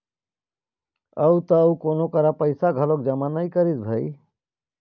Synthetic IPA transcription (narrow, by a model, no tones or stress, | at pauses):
əut̪əukonokəɾapəɪsaɡʱəlok̚d͡ʒəmanəikəɾid͡ʒbʱəj